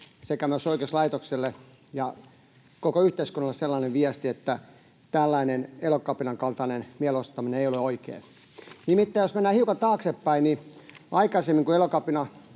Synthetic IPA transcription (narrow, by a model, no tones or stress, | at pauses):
sekæmyøsoikeslɑit̪okselːe | jɑ | kokoyht̪eiskunːɑlːeselːɑneʋʋiæst̪iet̪ːæ | t̪ælːæinenelokɑpinɑŋkɑlt̪ɑnenmiælost̪ːɑmineeioleoikḛː | nimit̪ːæːjosmenːæːhiukɑt̪ɑːksepːæiniʔɑikɑsemːiŋkuelokɑpinɑ